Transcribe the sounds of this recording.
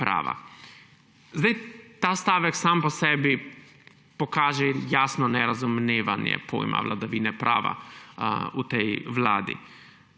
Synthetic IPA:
pɾa̰ːʋa̰ | zd̪ajt̪aːst̪aːʋɛksampɔsɛːbi | pɔkaːʒɛjaːsnɔnɛɾazumneːʋanjɛ̰pʰo̰ːjma̰ʋlad̪aʋiːnɛpɾa̰ːʋa̰ | ut̪ɛjʋla̰ːd̪ḭ

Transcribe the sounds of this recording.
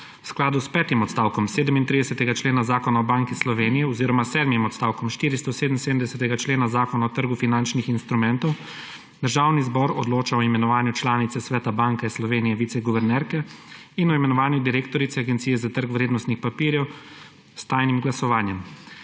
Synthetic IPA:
wsklaːd̪uspɛːt̪imɔt̪st̪aːwkɔmseːd̪əmint̪ɾid̪ɛsɛt̪ɛɡat͡ʃleːnazaːkɔnaɔbaŋkislɔʋeːnijɛɔziːɾɔmasɛːd̪mimɔt̪st̪aːwkɔmʃt̪iːɾist̪ɔseːd̪əmnseːd̪əmd̪ɛsɛt̪ɛɡat͡ʃleːnazaːkɔnaɔt̪əɾɡufinant͡ʃnixinst̪ɾumɛnt̪ɔw | d̪əɾʒaːwnizbɔɾɔ̰d̪loːt͡ʃaɔimɛnɔʋaːnjut͡ʃlaːnit̪sɛsʋɛːt̪abaŋkɛslɔʋeːnijɛʋit̪sɛɡɔʋɛɾnɛɾkɛ | inɔimɛnɔʋaːnjud̪iɾeːk̚t̪ɔɾit̪sɛaɡɛnt̪sijɛzat̪əɾkʋɾeːd̪nɔst̪nixpapiːɾjɛw | st̪aːjnimɡlasɔʋaːnjɛm

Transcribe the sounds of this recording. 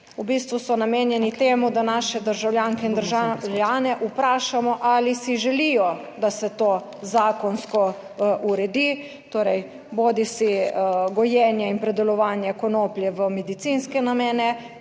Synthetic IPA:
ubist̪ʋusɔnameːnjɛnit̪eːmud̪anaːʃɛd̪əɾʒawlʲjaŋkɛind̪əɾʒaljaːnɛʔupɾaːʃamɔʔalisiʒɛlijɔ | d̪asɛt̪oː | zaːkɔnskɔ | ʔuɾɛd̪i | t̪oːɾɛj | boːd̪isiɡɔjɛːnjɛinpɾɛd̪ɛlɔʋaːnjɛkɔnoːpljɛʋəmɛd̪it̪inskɛnameːnɛ

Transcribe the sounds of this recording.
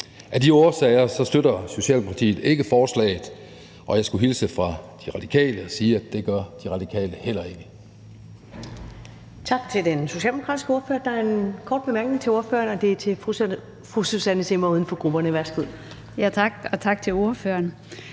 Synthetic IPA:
ʔæd̥io̝ːɐsɛɪɐsɒ̽sd̥øɾɐso̝ɕɛ̰ːl̥bempʰɑt͡sʰḭːð̩ˠe̝ɡ̥əfɒːslɛ̰ːɪð̩ˠ | ʔɒ̽jɑ̈ɪsɡ̥uɦilsəfʁɑ̈d̥iʁɑ̈d̥i̥kʰɛ̰ːləɒsiːæd̥e̝ɡ̥ɶɐd̥iʁɑ̈d̥ikʰɛ̰ːləhel̰ɐe̝ɡ̥ə | t͡sʰɑ̈ɡ̥̚t͡sʰe̝ld̥enso̝ɕiɛ̰ːldemokʰʁɑ̈ːdisɡ̥əo̝ɐføɐd̥ɑ̈æɐe̝nkʰɒ̰ːd̚b̥e̝mæɐɡ̥ne̝ŋt͡sʰe̝o̝ɐføːɐnɒ̽d̥e̝t͡sʰe̝ʁ | fʁususænəse̝mɐuðˠn̩fɒ̽ɡ̥ʁub̥ɐnəʋæɐsɡ̥uð̰ˠ | jæt͡sʰɑ̈ɡ̥ɒ̽t͡sʰɑ̈ɡ̥̚t͡sʰe̝lo̝ɐføːɐn

